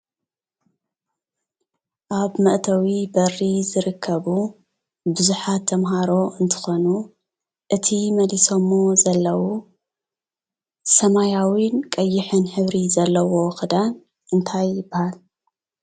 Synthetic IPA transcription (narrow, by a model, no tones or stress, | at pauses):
ʔaβmɐʔt̪ʰɐwibɐrːizɨɾɨkʰːɐβu | bɨzuħat̪ʰːɐmɦaɾo̞ɨnt̪ʰɨ̥xo̞nu | ʔɨt̪ʰimɐliso̞mːozɐlːɐwu | sɐmajawinkʼɐjːɪħɨnħɨβɾizɐlːɐwo̞xɨd̪an | ʔɨnt̪ʰajːɪbːahal